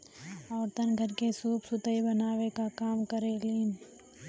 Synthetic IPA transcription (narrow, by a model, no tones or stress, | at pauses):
ɔːɾt̪ənɡʱəɾkesuːpsʊt̪əibənaːʋekakaːmkəɾeliːn